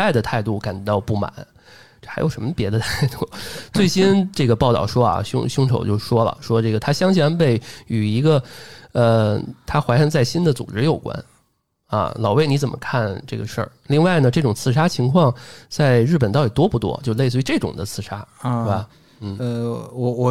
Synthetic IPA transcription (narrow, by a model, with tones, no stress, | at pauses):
a˥ɪd̪ə˩t̪ʰa˥˧ɪt̪u˥˩ka˨˩nt͡ɕɥɛ˧˥ɑ˥˧ʊpu˥˩ma̰˨˩˦n | ʈ͡ʂxa˧˥ɪjo˨˩ʊʂə˧˥mə˧pjɛ˧˥d̪ə˧t̪ʰa˥˧ɪt̪u˥˩t͡swe˥˩ɪɕi˥nʈ͡ʂɤ˥˩ɡə˩pɑ˥˧ʊt̪ɑ˥˩ʊʂwɔ˥ɐ̰˩ɕʊ̰˥ŋɕʊ˥ŋʈ͡ʂʰo˨˩ʊt͡ɕjo˥˩ʊʂwɔ˥lə̰˨ʂwɔ˥ʈ͡ʂɤ˥˩ɡə˩t̪ʰa˥ɕjɑ˥ŋɕʰjɛ˧˥npe˥˩ɪy˨˩i˧˥ɡə˧ə˧t̪ʰa˥xwa˧˥ɪʂɤ˥˧ŋt͡sa˥˩ɪɕi˥nd̪ə˨t͡sṵ˨˩ʈ͡ʂɻ̩˥jo˨˩ʊkwa̰˥n | ɐ̰˧˩lɑ˨˩ʊwe˥˩ɪni˧˥t͡sə˨˩mʔə̰˦kʰa˥˧nʈ͡ʂɤ˥˩ɡə̰˩ʂə̰˞˥˩li˥˧ŋwa˥˩ɪnə˩ʈ͡ʂɤ˥˩ʈ͡ʂʊ˨˩ŋt͡sʰɹ̩˥˩ʂa˥t͡ɕʰi˧˥ŋkʰwɑ˥˧ŋt͡sa˥˧ɪɻɻ̩˥˩pə˨˩nt̪ɑ˥˩ʊt̪i˨˩t̪wɔ˥pu˥˩t̪wɔ̰˥t͡ɕjo˥˧ʊle˥˧ɪsɹ̩˧y˧˥ʈ͡ʂɤ˥˩ʈ͡ʂʊ̰˨˩ŋd̪ə˦t͡sʰɹ̩˥˩ʂa˥˧ba˧ | n̩˥˩˧wɔ˧˩wɔ˨˩